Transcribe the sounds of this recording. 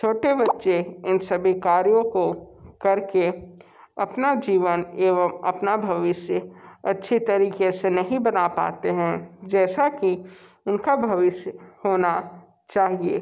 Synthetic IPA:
t͡ʃʰoːʈebɐtːʃeɪnsɐbʱikaːɾijõkokɐɾke | ɐpnad͡ʒiːʋəneːʋəmɐ̰pnabʱɐʋɪsjəɐtːʃʰit̪ɐɾiːkesenɐɦĩbɐnapa̰ːt̪eɦɛ̃d͡ʒɛːsaki | ʊnkabʱɐʋɪsjhoːna | t͡ʃaːɦieː

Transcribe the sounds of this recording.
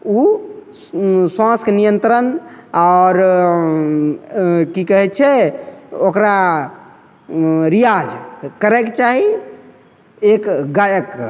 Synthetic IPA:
u | swãsknijənt̪ɾənaɾ | kikəɦɛt̪t͡ʃʰɛ | okɾa | ɾijad͡ʒkəɾɛket͡ʃaɦi | ekɡajəkː

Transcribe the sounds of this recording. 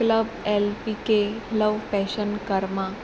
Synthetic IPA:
kləbelpikeləʋfɛɕənkəɾma

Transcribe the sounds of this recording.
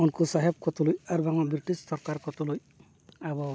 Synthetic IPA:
ɔnkusaɦɛb̚kɔt̪ulujaɾbaŋɔbɾiʈist̪ɔɾkaɾkɔt̪oluj | abɔ

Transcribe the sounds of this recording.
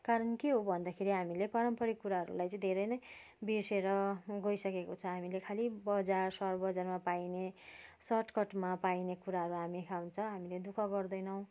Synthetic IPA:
kaɾʌnkeɦobʱʌnd̪akʰeɾiɦamilepʌɾʌmpʌɽikuɾaɦʌɾṵlajt͡sʌĩd̪ʱeɾʌjnʌj | biseɾʌɡʌjsʌkekot͡sʰʌɦamilekʰalibʌd͡zarsʌɾbʌd͡zarmapainesʌʈkʌʈmapainekuɾaɦʌɾuɦamikʰawnt͡sʰʌɦamiled̪ukʰʌɡʌrd̪ʌjnʌw̃

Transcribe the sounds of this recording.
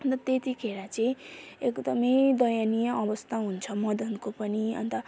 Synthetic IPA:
ʌnt̪ʌt̪et̪ikʰeɾat͡sʌĩekd̪ʌmʌjd̪ʌjanijʌʔʌbʌst̪ʰaɦunt͡sʰʌmʌd̪ʌnkopʌniʌ̰nt̪ʌ

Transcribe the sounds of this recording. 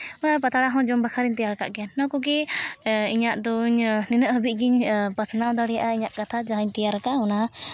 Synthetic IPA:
ɔjapat̪aɽaɦɔ̃d͡ʒɔmbakʰaɾiɲt̪ɛjaɾka̰ʔɡɛanːɔ̃kɔɡɛ | iɲaʔd̪ɔɲnɛnəʔɦəbiˀɡiɲpasanaʔɔ̃d̪aɽɛjaʔaiɲaʔkat̪ʰad͡ʒaɦaɲt̪ɛjaɾkaʔɦɔna

